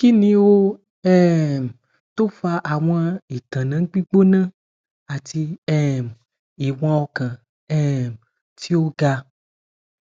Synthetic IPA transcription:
ki˦nĩ˦wo˦ | ɛ˦˨m | t̪o˦fa˦ʔa˨w̃a˦i˨t̪ã˨nã˦k͡pi˦ɡ͡bo˦nã˦ | a˨t̪i˦ɛ˦˨m | i˨w̃ã˦wɔ˦kã˨ | ɛ˦m | t̪i˦wo˦ɡa˦

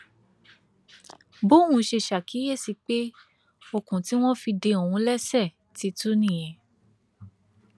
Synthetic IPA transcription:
bo˦˨hũ˧ʃe˧ʃa˨ki˨˦je˦˨si˧k͡pe˦ | o˧kũ˨ti˨˦w̃ɔ̃˦fi˧de˧o˨wũ˧˦lɛ˦sɛ˦˨ | ti˨˦tu˦nĩ˦˨jɛ̃˨

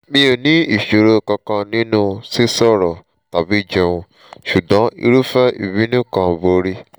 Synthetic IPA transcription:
mĩ˧o˨nĩ˨˦i˦˨ʃo˨ɾo˧˨kɔ̃˧kã˧nĩ˨˦nũ˦si˦sɔ˦˨ɾɔ˨ | ta˨bi˨˦˨d͡ʒe˧wũ˧ | ʃu˨dã˨˦ḭ˧ɾu˦fɛ˦ḭ˨bĩ˨˦nũ˦˨kã˧˨vo˨˧ɾi˦

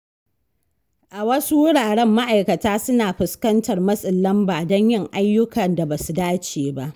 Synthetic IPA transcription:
ʔa˨wɐ˦su˦wʊ˦ɽaː˨ɽɛ˦mːa˦ʔa˨jkɐ˨taː˦sʊ˦naː˨ɸɪ˨skɐ˦ntɐ˨rmɐ˦sʼɪ˨lːɐ˦mbaː˨dɔ˦ɲjɪ˦˨ŋʔa˦jːʊ˦kɐ˨nda˨baː˨su˨daː˦t͡ʃeː˨ba˦ʔ

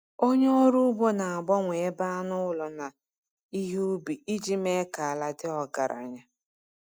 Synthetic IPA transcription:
o˦ɲe˦ɔ˦ɾu˦ʊ˦bo˦na˨a˨ɡ͡bɔ˦ŋʷe˨e˦ba˦a˦nʊ˦ʊ˦lɔ˨na˨ | i˦ɦe˦u˦bi˨i˦d͡ʒi˦me˦ka˨a˨la˨dɪ˦ɔ˨ɡa̰˨ɾa̰˨ɲa˦

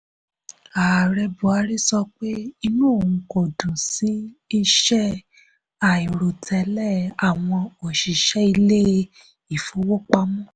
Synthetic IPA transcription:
a˨ɾɛ˧bu˨a˨˦ɾi˦sɔ˧k͡pe˦i˧nũ˦o˦˨ũ˧ko˨dũ˨si˨˦i˦˧ʃɛ˦ | a˨i˨ɾo˨tʰɛ˨˦lɛ˦˨a˨w̃ɔ̃˧o˨ʃi˨ʃɛ˦i˧le˦ | i˨fo˨˦wo˦k͡pa˧mũ˦˨

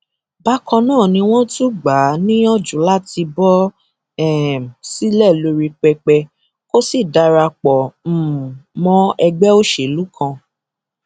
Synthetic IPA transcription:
ba˦kɔ̃˧nãː˦˨nĩ˧w̃ɔ̃˦tũ˦ɡ͡ba˨˦nĩ˦ɔ˦d͡ʒũ˨˦la˦ti˧bɔ˦ | ɛ˨m˨si˦lɛ˦˨lo˧ɾi˧k͡pɛ˧k͡pɛ˧ | ko˦si˦˨da˧ɾa˧k͡pɔ˨m̩˦˨mɔ̃˦ɛ˧ɡ͡bɛ˦o˦ʃe˨lu˦kʰã˧

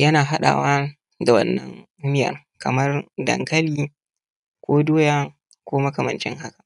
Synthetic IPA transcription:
jɐ˦naː˨ɦa˦ɗa̰ː˨waː˦ | da˨wɐ̰˦nːɐ̰˦ŋ˦ | mɪ˦jɐ̰˨r | kɐ˨mɐ˦rdɐ̰˨ŋkɐ˦liː˦ | kʷoː˦doː˦jaː˦ | kʷoː˦mɐ˦kɐ˨mɐ˨nt͡ʃɪ̰˦ŋɦa˦ka˨

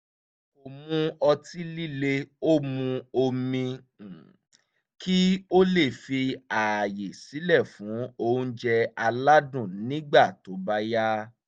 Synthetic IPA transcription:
o˨mũ˧ɔ˧ti˦li˦le˧o˦mũ˧o˧mĩ˧˨ | ki˦o˦le˦˨fi˧a˨je˨si˨˦lɛ˦˨fũ˨˦o˦ũ˧˦d͡ʒɛ˧a˧la˦dũ˦˨nĩ˦ɡ͡ba˦˨to˨˦ba˦ja˦

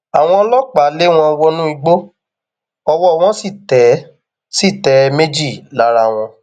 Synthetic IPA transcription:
a˨w̃ɔ̃˧ɔ˧˦lɔ˦˨k͡pa˨˦le˦w̃ɔ̃˧wɔ˧nũ˦i˧ɡ͡bo˦ | ɔ˧wɔ˦˨w̃ɔ̃˦si˦˨tɛ˨˦ | si˦˨tɛ˨˦me˦d͡ʒi˦˨la˨˦ɾa˧˨w̃ɔ̃˧

